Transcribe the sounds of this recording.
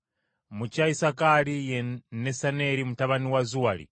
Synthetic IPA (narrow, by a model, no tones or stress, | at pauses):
mut͡ʃaisakalijɛnɛsanɛɾimutaβaniwazuwalḭ